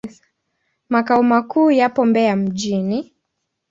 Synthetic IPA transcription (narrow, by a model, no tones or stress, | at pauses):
makaɔmakuːjapɔmbɛam̩ʄini